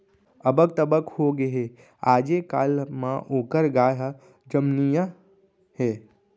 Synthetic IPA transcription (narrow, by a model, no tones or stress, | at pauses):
əbəɡ̚t̪əbəkhoɡeɦe | aːd͡ʒekaːlmãʔoːkəɾɡaːj | d͡ʒəmnija | he